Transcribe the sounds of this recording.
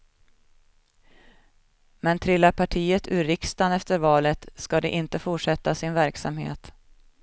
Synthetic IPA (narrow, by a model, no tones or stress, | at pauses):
mɛnt̪ʰɾɪlːapʰaʈʰiːət̪ʉɾɪkst̪anɛft̪əɾvɑːlət̪skad̪ɛ̰ʔɪnt̪əfʊʈʂɛt̪ːasɪnvæɾksamhḛːt̪